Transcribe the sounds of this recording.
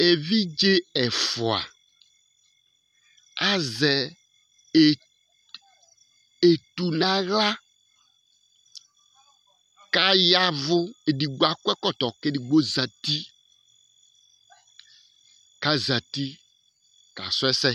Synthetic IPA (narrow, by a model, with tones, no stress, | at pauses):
e˨vi˦d͡ʒe˦ɛ˨fʊ˨a̰˨ | a˦zɛ˨ | e˨ | e˨t̪u˨nã˦ɣla˦ | ka˦ja˦vʊ˦e˨di˨ɡ͡bu˨˦a˨kʷɛ˦kɔ˦t̪ɔ˨kɪ˦di˨ɡ͡bo˦za˨t̪i˦ | ka˦za˨t̪i˦ | ka̰˨sʊ˦ɛ˦sɛ˦